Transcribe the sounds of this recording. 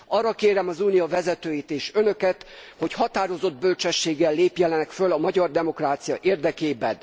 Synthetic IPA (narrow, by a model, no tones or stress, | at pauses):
ɒrːɒkeːɾɛmɒzuːnijɒvɛzɛt̪øːjit̪eːʃønø̞kɛt̪ho̞chɒt̪aːɾo̞zo̞d̪̚bø̞lt͡ʃɛʃːeːɡːɛlːeːpjɛlɛnɛkfølɒmɒɟɒrd̪ɛmo̞kraːt̪sijɒʔeːrd̪ɛkeːbɛn